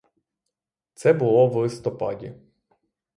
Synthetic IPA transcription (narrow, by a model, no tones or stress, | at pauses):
t̪sɛbʊlˠɔʋlˠɪst̪ɔpɑ̰dʲḭ